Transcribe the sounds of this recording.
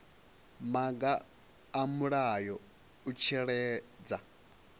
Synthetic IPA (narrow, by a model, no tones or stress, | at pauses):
maɡaː | muɺajɔ | ut͡ʃʰɛɺɛːd͡za